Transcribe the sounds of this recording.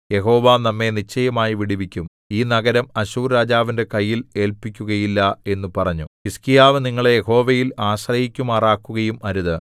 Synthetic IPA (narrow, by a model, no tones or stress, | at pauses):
je̞ɦo̞ːʋaːnɐmːe̞nit͡ɕːɐjɐmaːjiʋiɽiʋikʲːum | iːnɐɡɐɾɐmɐɕuːɾɾaːd͡ʑaːʋinde̞kɐjːile̞ːlpikʲːuɣɐjilːɐe̞nːupɐrɐɲːuiskijaːʋɨniŋːɐɭejeho̞ːʋɐjilaːɕrɐjikʲːumaːraːkːuɣɐjumʔɐɾuðɨ